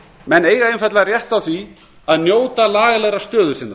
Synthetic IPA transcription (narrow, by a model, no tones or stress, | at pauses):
mɛneːjɣaenfat̪larjɛht̪awθvi | aðnjoːwt̪alaːɣalɛɣɾast̪œːðʏsɪnːa